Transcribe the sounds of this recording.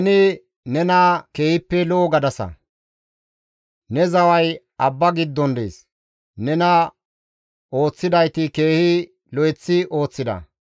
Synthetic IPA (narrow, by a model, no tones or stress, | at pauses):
nɪ | nɛnɐke̞ːhɪpːɛlɔːɡɐd̪ɐsɐ̰ | nɛzɐwɐj | ɐbːɐɡɪd̪ːɔnd̪ḛːs | nɛnɐ | o̞ːt͡sːɪd̪ɐjt̪ɪke̞ːhɪ | lɔjɛt͡sːɪʔo̞ːt͡sːɪd̪ɐ̰